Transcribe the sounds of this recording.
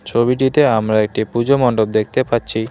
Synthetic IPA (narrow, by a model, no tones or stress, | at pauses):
t͡ɕʰobiʈit̪eamɾaek̚ʈipud͡ʑomɔɳɖobd̪ek̚ʰt̪epaɾːɕʰi